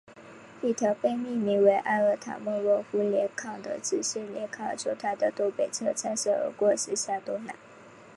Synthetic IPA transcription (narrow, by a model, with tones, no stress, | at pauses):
li˥˩t̪ʰjɑ˧˥ʊpe˥˧ɪmi˥˩mi˧˥we˧˥ɪʔa˥˧ə˥˩t̪ʰa̰˨˩mɔ˥˧lwɔ˧˥˩fu˧˥ljɛ˧˥kʰɑ˨˩ŋd̪ə̰˨ʈ͡ʂɻ̩˨˩ɕjɛ˥˩ljɛ˧˥kʰɑ˨˩t͡ɕjo̰˧˥ʊt̪ʰa˥˩d̪ə˨t̪o˥ʊpe˨˩ɪt͡sʰɤ˥˧t͡sʰa˥ʂɤ˥˩ə̰˧˥kwɔ˥˧ʂɻ̩˥ɕja˥˩t̪o˥na̰˨˧˦